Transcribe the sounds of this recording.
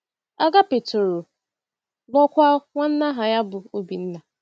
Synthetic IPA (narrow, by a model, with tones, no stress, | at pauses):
a˦ɡa˦pe˨to˨ɾo˨ | bɔ˦kʷa˦ŋʷa˦n̩˦na˦ɦa˨ja˦bʊ˨o˦bi˨n̩˦na˨